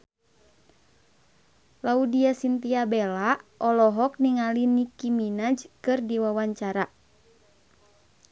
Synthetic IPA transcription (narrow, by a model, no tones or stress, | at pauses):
laudiasint̪iabɛlaɔlɔɦɔk̚niŋalinikiminad͡ʒkɨrdiwawaɲt͡ʃaɾa